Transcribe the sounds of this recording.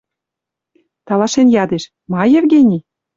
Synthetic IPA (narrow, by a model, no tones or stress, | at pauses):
t̪ɑlɑʃenjɑd̪eʃ | mɑjĕvɡʲenʲi